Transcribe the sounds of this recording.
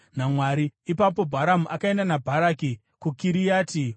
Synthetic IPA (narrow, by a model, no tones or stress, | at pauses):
namwaːɾiipapo̞bʱaɾamuʔakae̞ndanabʱaɾaːki | kukiɾijaːti